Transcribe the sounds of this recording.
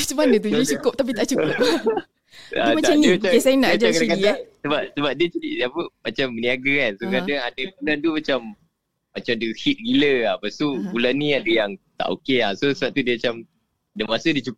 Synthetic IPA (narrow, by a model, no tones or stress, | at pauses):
səmanət̪̬ud͡ʒdət͡ʃukʊp̚t̪ap̬it̪aʔt͡ʃukʊ | aaimataamnĩaasajnaʔd͡ʒakaaikaiasəbap̚səbap̚diət͡ʃadiapəmat͡ʃamːəniaɡaansokadaŋadəbulant̪̬umat͡ʃamː | at͡ʃamdəhit̪̚ɡiləapast̪ubulanːĩadəjaŋt̪a̰ʔo̰keasosəbat̪udiəmat͡ʃam | adəmasədiət͡ʃuk